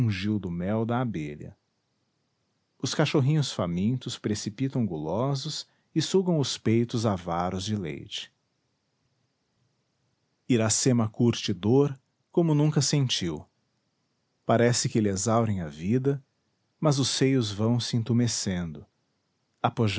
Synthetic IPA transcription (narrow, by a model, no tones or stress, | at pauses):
ʒiwd̪ʊmɛwd̪ɐːbḛʎɐ̰ | ʊskaʃoɦĩɲʊsfamĩnt̪ʊspɾesipit̪ɐ̃w̃ɡulɔzʊs | ɪsuɡɐ̃w̃ʊspejt̪ʊzavaɾʊzd͡ʒɪlḛjt͡ʃɪ̥ | iɾasemɐkuɾt͡ʃɪd̪oɾ | kõmʊnũkɐsẽnt͡ʃiw | paɾɛsɪkɪlezawɾẽj̃ɐvid̪ɐ | mɐzʊsejʊzvɐ̃w̃sɪĩt̪umesẽnd̪ʊ | apoʒ